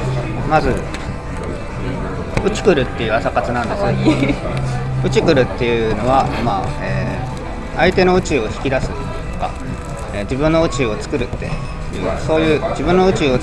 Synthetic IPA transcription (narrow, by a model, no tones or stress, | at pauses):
mazɨ | ɯ̟t͡ɕi̥kɯ̟ɾɯ̟t̪ːe̞jɯ̟asakat͡sɨnãnd̪e̞sɨn | ɯ̟t͡ɕikɯ̟ɾɯ̟t̪ːe̞jɯ̟no̞βamaeː | ait̪e̞no̞ɯ̟t͡ɕio̞çi̥kʲid̪asɨ | t̪o̞ka̰ | eːd͡ʑibɯ̟̃nːo̞ɯ̟t͡ɕio̞t͡sɨ̥kɯ̟ɾɯ̟t̪ːe̞̰ | jɯ̟̰ːso̞ːjɯ̟ːd͡ʑibɯ̟̃nːo̞ɯ̟t͡ɕio̞